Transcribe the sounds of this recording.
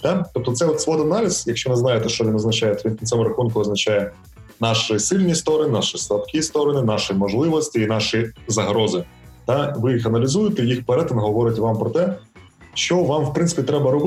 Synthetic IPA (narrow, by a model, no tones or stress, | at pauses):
t̪ɑt̪ɔp̚t̪ɔt̪sɛɔt̪sʋɔd̪ɐnɑlʲɪz̥jɐkʃt͡ʃɔnɪznɑjɛt̪ɛʃt͡ʃɔʋʲinɐznɐt͡ʃajɛt̪ʋinʲnsɛmʊɾɐxunkʊɐznɐt͡ʃajɛ | nɑʃɪsɪlʲnʲist̪ɔɾɔnɪnɑʃɪslˠɐpkʲist̪ɔɾɔnɪnɑʃɪmɔʒlˠɪʋɔsʲtʲiːnɑʃizɐɦɾɔzɪ | t̪ɑʋɪjixɐnɐlʲɪzujɪt̪ɛjixpɛɾɛt̪ɪnɦɔʋɔɾɪtʲʋɑmpɾɔt̪ɛ | ʃt͡ʃɔʋɑmwpɾɪnsɪ̥pʲit̪ɾɛbɐɾɔb